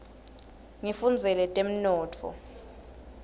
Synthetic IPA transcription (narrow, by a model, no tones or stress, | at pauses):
ŋifund͡zʱɛlɛtʼem̩nɔːtʰɔ̰